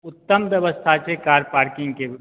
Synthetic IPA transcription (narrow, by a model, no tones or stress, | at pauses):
ʊt̪ːəmbjəʋəst̪ʰat͡ʃekaːɾpaːɾkɪ̃ŋɡke